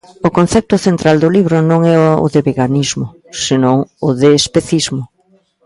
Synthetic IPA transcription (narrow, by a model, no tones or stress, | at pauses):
ʊkon̟θɛp̚t̪ʊθent̪ɾald̪ʊliβɾʊnõŋɛʊ̰ðeβeɣanizmʊ | senõŋʊðeːspeθizmʊ